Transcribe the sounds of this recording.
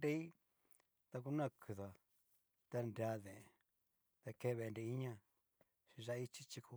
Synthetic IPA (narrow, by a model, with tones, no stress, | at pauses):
ɾe˦i˦ | t̪a˧k̬u˧nã˦˨kʰɨ˧ða˨ | t̪a˧nɾa˧˦ðẽ˨e˧ | t̪a˧ke˦˧βe˧nɾe˧i˦ɲã˦ | ʃi˧ʒa˧i˧t͡ʃi˦t͡ʃi˧ku˧